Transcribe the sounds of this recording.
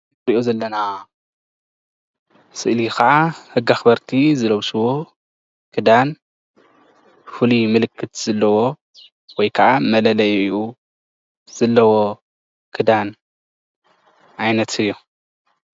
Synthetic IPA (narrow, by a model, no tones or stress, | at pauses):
ɾiʔozɐlːɐna | sɨʔlikɐʕahɨɡaxbɐɾt̪ʰizɨlɐwsɨwo̞ | kʰɨd̪an | fɨlimɨlɨkʰːɨt̪z̥ɐlːɐwo̞ | wɔjkʰɐʕamɐlɐlɐjʔu | z̥ɐlːɐwo̞ | kʰɨd̪an | ʔajnɐt̪ʰɨjːu